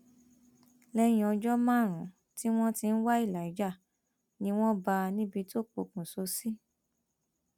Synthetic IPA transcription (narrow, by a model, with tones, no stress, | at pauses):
lɛ˧j̃ĩ˧ɔ˧d͡ʒɔ˦mãː˦˨ɾ̃ũ˨ | ti˦w̃ɔ̃˦ti˧n̩˦wa˦i˦˨la˨i˨˦d͡ʒa˦˨ | nĩ˧w̃ɔ̃˦ba˧nĩ˦bi˧to˦˨k͡po˧˨kũ˨so˧˦si˦